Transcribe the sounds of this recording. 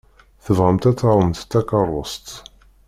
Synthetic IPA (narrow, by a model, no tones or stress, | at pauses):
θəvʁəmt̪æt͡sːɑɾˤəmt̪t̪ːækərˤːost̪